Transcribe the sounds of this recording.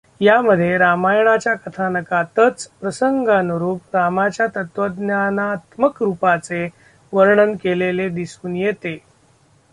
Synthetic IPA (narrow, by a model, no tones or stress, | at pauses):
jaməd̪ʱːjeɾamajɳat͡ɕjakət̪ʰanəkat̪ət͡spɾəsəŋɡanuɾuːpɾamat͡ɕjat̪ət̪ʋəd̪njanat̪məkɾupat͡se | ʋəɾɳənkeleled̪isuːnjet̪e